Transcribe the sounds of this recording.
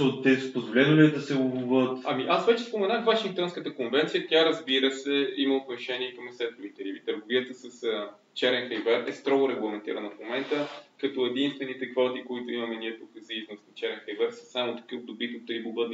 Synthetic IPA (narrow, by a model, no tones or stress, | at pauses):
ɔd̪ɛpozvolʲɛnʊlʲiɛd̪ɐsɛuvuvət̪ɐmiʔasvɛt͡ʃɛ̥spomɛnaxvaʃĩŋkt̪ɔnskət̪əkonvɛnt̪sijət̪jaɾɐzbiɾəsɛimɐop̪ɾɛʃɛniɛkɐmsɛt̪ʊvit̪ɛɾivit̪əɾɡoviət̪əsɐsə | t͡ʃɛɾɛnxɛjvɛɾɛ̰st̪ɾɔɡʊɾɛɡlˠɐmɛnt̪ḭɾənəfmomɛnt̪əkɐt̪ɔɛd̪inst̪vɛnit̪ɛkvɔt̪ikoit̪ʊimɐmɛniɛt̪okəziznost̪nɐt͡ʃɛɾɛnxɐjvɛɾsɐ̥samot̪kəbd̪obit̪ot̪ːɾiboɡət̪n